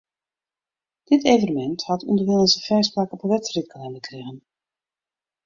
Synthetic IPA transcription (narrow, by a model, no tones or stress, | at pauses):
d̥ɪtejvənəmɛnthɑtʰɔ̰ndərʋɪlˠənsəfɛjspaːkəpəʋɛtsrit̚kəlɛnəkreɣən